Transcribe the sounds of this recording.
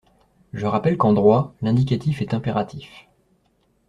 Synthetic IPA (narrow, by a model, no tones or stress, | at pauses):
ʒəʁapɛlkɑ̃d̪ʁwalɛ̃d̪ik̬ʲat̪ifɛt̪ɛ̃peʁat̪ʰif